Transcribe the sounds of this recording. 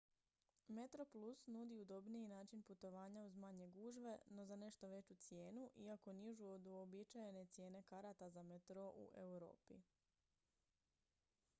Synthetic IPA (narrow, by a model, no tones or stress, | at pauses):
me̞t̪ɾo̞plˠusnud̪iud̪o̞bnijinaːt͡ʃinput̪o̞ʋaːɲauzmaɲe̞ɡuːʒʋe̞no̞zane̞ʃt̪o̞ʋe̞t͡ɕut̪sje̞ːnuʔiako̞niʒuod̪obit͡ʃajene̞t̪sje̞ːne̞kaɾat̪azamet̪ɾo̞ʔṵʔeuɾo̞̰ːpḭ